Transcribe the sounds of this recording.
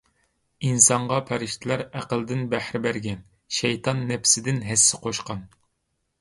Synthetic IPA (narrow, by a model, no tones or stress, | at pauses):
insɑɴʁɑpʰæɾɪʃt̪ʰɪlæɾæqəld̪ɪnbæhɾɪbæɾɡʲɛn | ʃɛjt̪ʰɑnːɛpsɪd̪ɪnɦæsːɪ̥qʰoʃqɑn